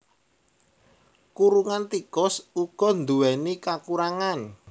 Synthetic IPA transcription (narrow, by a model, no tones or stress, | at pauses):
kuɾuŋant̪ikʊsuɡ̥ɔ̤nd̪uwɛnikakuɾaŋan